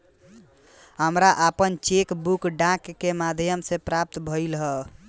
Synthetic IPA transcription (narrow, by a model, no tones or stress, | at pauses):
ɦəmɾaʔapənt͡ʃekbukɖãkːemad̪ʱjəmsẽpɾap̚t̪bʱəilɦə